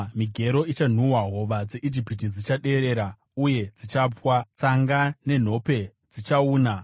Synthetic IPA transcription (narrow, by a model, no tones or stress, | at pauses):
miɡʱe̞ɾo̞it͡ʃan̤uwaɦo̞ʋad͡zeʔid͡ʒipitid͡zit͡ʃaɗe̞ɾe̞ɾa | uje̞d͡zit͡ʃapwat͡saŋɡane̞n̤o̞pe̞ | d͡zit͡ʃauːna